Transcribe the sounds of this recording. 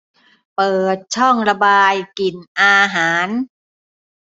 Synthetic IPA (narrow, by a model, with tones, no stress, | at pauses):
pɤː˨˩t̪̚t͡ɕʰɔ˥˩ŋɾa˧baː˧jki˨˩nʔaː˧ɦaː˩˦n